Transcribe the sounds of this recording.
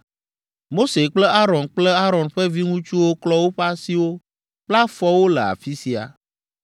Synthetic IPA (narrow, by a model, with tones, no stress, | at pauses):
mo˦se˨k͡plɛ˦a˦ɾɔ˨nk͡plɛ˦a˦ɾɔ˨nɸɛ˦vi˦ŋũ˦t͡ʃu˦wo˦klɔ˦wo˦ɸa˦si˦wo˦ | k͡pla˦fɔ˦wo˦lɛ˨a̰˨fi˦si˨a̰˨